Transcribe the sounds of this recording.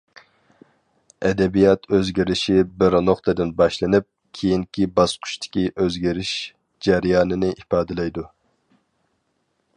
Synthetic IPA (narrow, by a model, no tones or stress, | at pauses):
ɛd̪ɛbijɑt̪ʰøzɡʲɪɾɪʃibɪɾnoχt̪ʰɨd̪ɪnbɑʃlˠɨnɨp̚kʲʰejiŋkʲʰibɑsqʰʊ̥ʃt̪ʰɪ̥kʲiʔøzɡʲɪɾɪʃ | d͡ʒæɾijɑːnɨnɪʔipɑːd̪ɨlˠɛjd̪u